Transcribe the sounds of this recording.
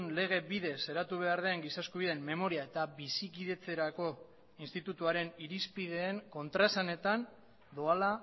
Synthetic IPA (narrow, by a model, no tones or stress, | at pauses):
nle̞ɣ̞e̞βiðe̞se̞ɾat̪uβ̞e̞aɾð̞e̞ŋɡisaskuβiðemːe̞mo̞ɾiae̞t̪abisikiðe̞t͡se̞ɾako̞ | inst̪it̪ut̪uaɾe̞niɾispiðe̞ːŋko̞nt̪ɾasane̞t̪an | d̪oala